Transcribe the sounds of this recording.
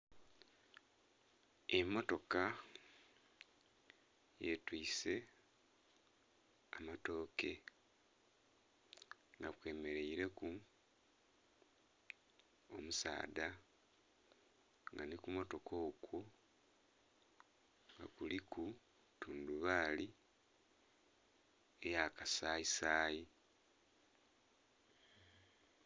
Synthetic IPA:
emːo̞to̞ka | jetwiːse̞ | amato̞ːke̞ | ŋɡakwe̞ːme̞ɾe̞iɾe̞ku | o̞musa̰ːda | ŋɡanikumo̞to̞kʰo̞ːkwo | ŋɡa̰kuliku | tuːnduβaːli | ejakasaːisaːji

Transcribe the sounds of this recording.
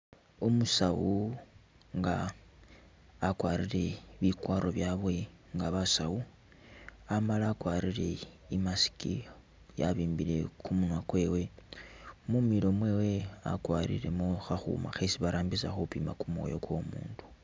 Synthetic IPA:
omusawu | ŋɡa | kwaːɾiɾe̞βikwaːɾʔo̞βjaβwe̞ŋɡaβasawu | amalaːkwaːɾiɾe̞̰imasi̥kḭ | ja̰βiːmbile̞̰kumunwakwe̞we̞ | mumiɾo̞mwe̞we̞a̰kwaːɾḭɾe̞̰muxaxṵma̰xesiβaɾaːmbisaxopiːmakumwo̰jo̞kwo̞muːndu̥

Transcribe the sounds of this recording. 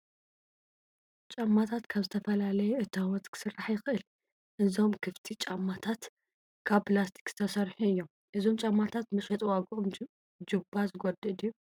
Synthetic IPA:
t͡ʃʼamːat̪ʰat̪kʰaβzɨt̪ʰɐfɐlalɐjɛʔɨt̪ʰːawɔt̪ʼkʰɨ̥sɨrːaħjɪxɨʔɨl | ʔɨzo̞mkʰɨft̪ʰit͡ʃʼamːat̪ʰat̪ | kʰaβpɨlast̪ʰi̥kz̥ɨ̥t̪ʰɐsɐɾħuɨjːom | ʔɨzo̞mt͡ʃʼamːat̪ʰat̪mɨʃʼɐt̪ʼwaɡom | d͡ʒɨbːazɨɡod̪ɨd̪u

